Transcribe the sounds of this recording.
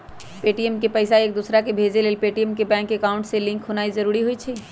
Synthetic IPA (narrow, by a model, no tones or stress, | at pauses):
peʈiemkepəɪsaeːk̚d̪usɾakebʱed͡ʒelelpeʈijemkebɛ̃ŋkːekaʊ̃ɳʈselĩŋkɦonaizəɾuɾiɦojt͡ʃʰɛ